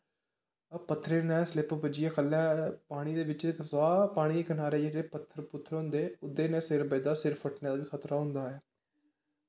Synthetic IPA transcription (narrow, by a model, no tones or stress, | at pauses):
əpət̪ʰːɾeːnɛ̃ːslɪpbəd͡ʒɪjaːkʰəlːɛːpaːɽ̃iːd̪eːʋɪt͡ʃsaːpaːɽ̃iːkənaːɾeːd͡ʒeeːpət̪ʰːəɾpʊt̪ʰːəɾɦʊ̃nd̪eːʊd̪ːeːnɛ̃ːsɪɾbəɪd̪aːsɪɾfəʈnẽːd̪aːʋiːkʰət̪ɾaːɦʊ̃nd̪aːɦɛː